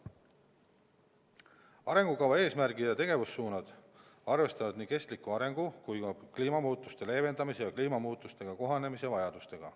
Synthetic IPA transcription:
ɑɾe̞ŋɡ̥ukɑwvɑe̞ːsmæɾɡid̪jɑt̪e̞ɡ̥e̞vusːuːnɑd̪̥ | ɑrve̞st̪ɑvɑd̪niːke̞st̪likːuɑɾe̞ŋɡ̥ukujkɑkliːmɑmuːt̪ˑːust̪e̞le̞ːve̞nd̪̥ɑmise̞jɑkliːmɑmuːt̪ːˑust̪e̞ɡ̥ɑko̞ɦɑne̞misevɑjɑd̪̥ust̪e̞ɡ̥ɑ̰

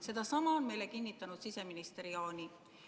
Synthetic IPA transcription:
se̞d̪̥ɑsɑmɑonme̞jle̞kinʲːit̪ˑːɑnud̪sise̞minist̪eɾiɑːnʲi

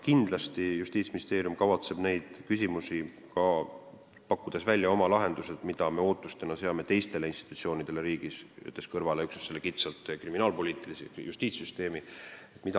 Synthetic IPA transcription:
kind̪̥lɑst̪ijust̪iːt̪sminist̪e̞ːɾjumkɑvɑt̪se̞b̥ne̞jd̪̥kys̬ʲimusi | kɑ | pɑkːud̪̥e̞svælʲːjɑo̞mɑlɑɦe̞nd̪use̞d̪̥mid̪̥ɑme̞o̞ːt̪ːˑust̪enɑse̞ɑme̞t̪e̞jst̪e̞le̞inst̪i̥t̪ut̪sio̞ːnid̪̥e̞le̞ɾiːɡ̥isy̰t̪ːˑeskɤɾvɑleyksese̞lːekit̪sɑlt̪ˑkriminɑːlpo̞liːt̪ːˑilisijust̪iːt̪syst̪e̞ːmie̞t̪ːˑmi̥ɑ

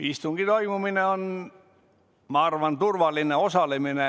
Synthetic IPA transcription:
ist̪uŋɡ̥it̪oimumineon | mɑrʋɑnt̪urʋɑlːineosɑlemine

